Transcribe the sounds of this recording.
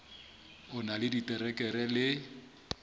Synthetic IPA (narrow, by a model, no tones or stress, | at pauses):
ʊnalɪditʼɛɾɛkʼɛɾɛlɪ